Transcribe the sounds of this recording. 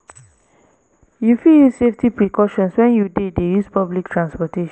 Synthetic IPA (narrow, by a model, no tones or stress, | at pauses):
jufiljusseftipɹikɔʃɔ̃nswɛ̃njudet̚dejuspablik̚tʰɹãnspɔteʃ